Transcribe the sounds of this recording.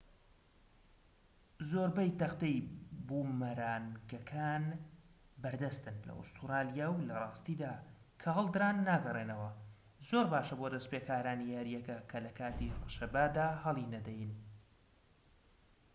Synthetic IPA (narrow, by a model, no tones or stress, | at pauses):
zoːɾbɛjt̪ɐqt̪ejbuːmɐɾaːnɡɐkʰaːn | bɐɾd̪ɐst̪ɨnlɐ̰ʊ̰st̪ʰuɾɑːljawlɐrˤɑːst̪iːd̪aː | kʰɐɦɐlˠd̪ɾaːnːaːɡɐreːnɐwɐ | zoɾbaːʃɐboːd̪ɐspeːkʰaːɾaːnihɐɾijɛkɐkʰɐlɐkʰaːt̪irɨʃɐbaːd̪aːhɐlˠinɐd̪ɛjn